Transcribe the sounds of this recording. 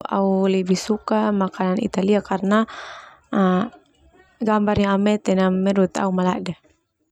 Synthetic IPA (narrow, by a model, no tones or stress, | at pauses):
a̰ulɛbisukamakananḭt̪aliakarna | ɡambarɲaamɛt̪ɛnamːɛɾut̪a̰umala̰da